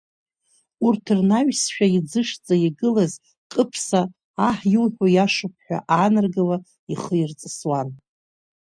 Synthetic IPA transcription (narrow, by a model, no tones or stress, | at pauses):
urtʰɨrnaɥsʃᶣaid͡zɨʂt͡sʼaiɡɨlaz | qʼəpʰsaː | ħjɪlħʷᶣojaʂɨpʰħʷᶣa̰ʔaːnarɡala | iχəjirt͡sʼɨswan